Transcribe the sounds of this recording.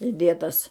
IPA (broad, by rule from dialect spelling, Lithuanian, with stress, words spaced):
ɪˈdʲeːtɐs